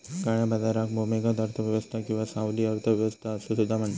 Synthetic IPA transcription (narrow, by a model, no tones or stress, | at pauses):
kaɽ̃jabad͡zaɾak̚momeɡad̪əɾt̪ʰəʋjəʋəst̪ʰakĩw̃ʋasãwliːəɾt̪ʰəʋjəʋəst̪ʰaəsesud̪ʱːam̤əɳt̪